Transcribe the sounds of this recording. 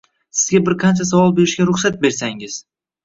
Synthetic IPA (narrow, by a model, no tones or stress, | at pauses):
sɪzɡʲabɪɾqʰɑnt͡ʃʰas̬avɒlˠbe̞ɾɪʃɡʲaɾʊχsat̪̚be̞ɾsaŋɪz̥